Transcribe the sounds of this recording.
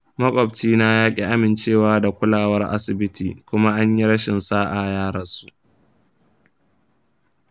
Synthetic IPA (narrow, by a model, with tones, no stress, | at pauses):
mɐ˦kʷʼɔ˨b̚t͡ʃiː˦na˦jaː˦kʲʼi˦ʔa˦mɪ˨nt͡ʃeː˦˨waː˦da˨kʷʊ˦laː˨wɐ˦rʔa̰˦sɪ˨bɪ˦tʰiː˨kʷʊ˦ma˦ʔa˦ɲji˦ɽɐ˦ʃɪ˨nsaː˦ʔa˨jaː˦ɽɐ˨nsu˦ʔ